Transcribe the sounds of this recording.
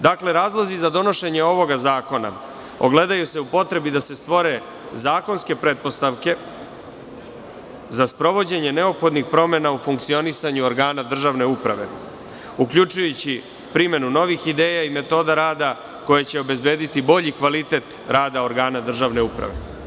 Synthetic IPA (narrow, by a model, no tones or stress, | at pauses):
d̪akle̞ɾaːzlˠozizad̪o̞no̞ʃe̞ɲe̞o̞ʋo̞ɡazaːko̞na̰ | oɡle̞d̪ajuse̞upo̞t̪ɾe̞bid̪ase̞st̪ʋo̞ɾe̞ | zaːko̞nske̞pɾet̪̚po̞st̪aʋke̞ | zaspɾo̞ʋo̞d͡ʑe̞ɲe̞ne̞opxo̞d̪nixpɾo̞me̞naufuŋk̚t̪sio̞nisaɲuoɾɡaːnad̪r̩ʒaʋne̞upɾa̰ʋe̞̰ | ukʎut͡ʃujut͡ɕi | pɾime̞nuno̞ʋixid̪eːjaime̞t̪o̞ːd̪aɾaːd̪a | ko̞jet͡ɕe̞o̞be̞zbe̞ːd̪it̪ibo̞ʎikʋalit̪e̞t̪ɾaːd̪ao̞ɾɡaːnad̪r̩ʒaʋne̞upɾa̰ʋḛ